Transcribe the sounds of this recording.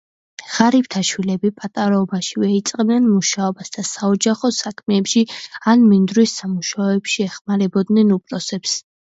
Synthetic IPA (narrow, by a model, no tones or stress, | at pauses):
ʁ̥aɾipt̪ʰaʃwilɛbipʼat̪ʼaɾaɔbaʃivɛit̪sʼqʼɛbnɛnmuʃaɔbasd̪̥asaɔd͡ʒaχɔsakʰmɛːpʃianmind̪ɾwisːamuʃaɛbʃiɛχmaɾɛbɔd̪nɛnupʼlɔsɛps